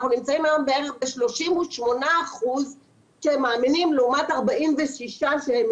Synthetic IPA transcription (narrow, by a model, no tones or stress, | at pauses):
χnunimt͡saimajombeeʁeχbeʃlo̞ʃimuʃmo̞naːχuz | ʃehemːaːminimleumataʁbaʔimveʃiʃaʃehem